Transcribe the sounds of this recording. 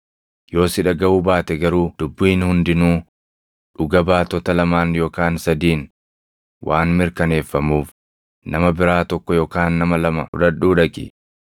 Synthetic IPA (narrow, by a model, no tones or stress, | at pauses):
jo̞ːsɪᶑɐɡɐuːbaːt̪ɛɡɐɾuːd̪̥ʊbːʊiːnhʊnd̪ɪnuː | ᶑʊɡɐbaːt̪ɔt̪ɐlɐmaːnjo̞ːkaːnsɐd̪iːn | wʔaːnmɪɾkɐne̞ːfːɐmuːf | nʔɐmɐbɪɾaːt̪ɔkːɔjoːkaːnːɐmɐlɐmɐʊ̰ᶑɐᶑːuːᶑɐkʼɪ̰